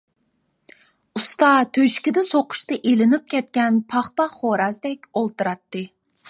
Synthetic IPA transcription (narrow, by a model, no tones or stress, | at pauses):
ust̪ɑt̪ʰøʃkʲid̪ɪsoqʰʊ̥ʃt̪ɑʔelɪnɪp̚kʲʰɛt̪̚kʲɛnpʰɑχpɑχoɾɑsd̪ɛkʲolˠt̪ɨɾɑt̪ːɨ